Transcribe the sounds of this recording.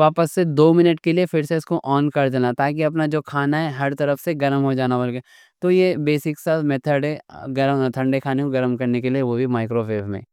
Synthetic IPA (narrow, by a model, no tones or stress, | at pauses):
ʋaːpəsːed̪oːmɪnəʈkeliefʰɪɾseɪskoʔɔːnkɐɾd̪eːnat̪aːk̬iɐp̬nad͡ʒoːkʰaːnaɦɛɦɐɾt̪ɐɾəfseɡɐɾəmɦod͡ʒaːnabɐɾɡe | t̪ojebeːsɪksat̪mɛt̪ʰəɖeɡɐɾt̪ʰɐ̃ɳɖekʰaːnekoɡɐɾəmkɐɾnekelieʋobʱimaːɪkɾoʋeːbmḛ̃ː